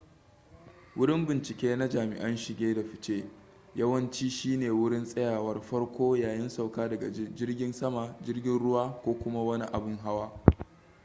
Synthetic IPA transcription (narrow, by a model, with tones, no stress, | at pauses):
wʊ˦ɽɪ˦mbɪ˨nt͡ʃɪ˨kʲeː˦na˦d͡ʒaː˨mɪ̰˨ʔɐ˦nʃɪ˨ɡʲeː˦da˨ɸɪ˨t͡ʃeː˦ | jɐ˦wɐ˦nt͡ʃiː˦ʃiː˦neː˨wʊ˦ɽɪ˦nsʼɐ˦jaː˨wɐ˦rɸɐ˦ɽkʷoː˦jaː˨jɪ˦nsa˨wkaː˦dɐ˨ɡa̰˨d͡ʒɪ˦rɡʲɪ˦nsɐ˦ma˨d͡ʒɪ˦rɡʲɪ˦nɽʊ˦waː˦kʷoː˦kʷʊ˦ma˦wɐ˦ni˦ʔa˨bʊ˦ŋɦa˦waː˦